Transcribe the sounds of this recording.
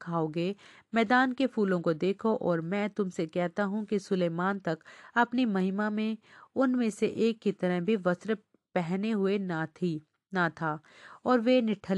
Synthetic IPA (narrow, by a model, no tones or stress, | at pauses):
kʰaːoɡe | mɛːd̪aːnkefʰuːlõkod̪eːkʰoʔɔːɾmɛ̃ːt̪ʊmsekɛɦt̪aɦũkisʊleːmaːnt̪ɐkɐpnimɐɦɪmamẽʊnmẽseʔeːkːit̪ɐɾəɦbʱiʋɐsɾ | pɛɦneɦʊei | nat̪ʰaːɔːɾʋenɪʈʰəl